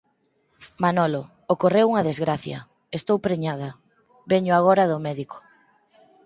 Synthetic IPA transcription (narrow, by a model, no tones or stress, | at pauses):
manɔlo | okorewuŋɐðezɣɾaθjɐ̰ | est̪owpɾeɲaðɐ | βɛɲʊaɣoɾɐðʊmɛðiko̥